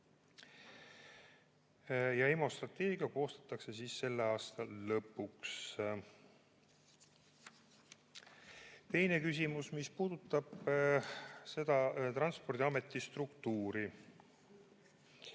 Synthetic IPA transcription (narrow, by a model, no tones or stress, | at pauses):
jɑemo̞st̪rɑt̪ːˑe̞ːɡiɑko̞ːst̪ɑ̥t̪ːˑɑkse̞siːsːe̞lːe̞ɑːst̪ɑlɤpːˑuks | t̪e̞jne̞kys̬ʲimusmispuːd̪̥ut̪ːˑɑb̥ | se̞d̪̥ɑt̪rɑnspo̞rd̪iɑme̞t̪ːˑist̪rukt̪uːɾi